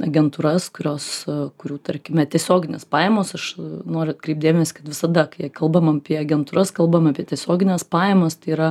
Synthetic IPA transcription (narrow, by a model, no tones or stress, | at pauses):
ɐ̰ɡʲɛnt̪uːɾɐskʊɾʲoːskʊɾʲuːt̪ɐɾʲkʲɪmʲɛt̪ʲiɛsʲoːɡʲɪnʲeːspɑːjɛmoːsɐʃnoːɾʲʊɐt̚kɾʲɛɪp̚d̪ʲeːmʲɛsʲɪ̥kɐt̪ʋʲɪsɐd̪ɐkɐɪjkɐlˠbɐmɐpʲiɛɐɡʲɛnt̪uːɾɐskɐlˠbɐmɐpʲiɛt̪ʲiɛsʲoːɡʲɪnʲɛspɑːjɛmɐst̪ɐɪiɾɐ